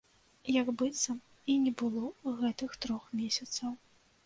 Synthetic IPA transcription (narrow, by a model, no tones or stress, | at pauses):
jɐɡbɨt̪sɐ | inʲɛbɨlˠɔɣɛt̪ɨxt̪ɾɔxmʲesʲɐt̪sɐw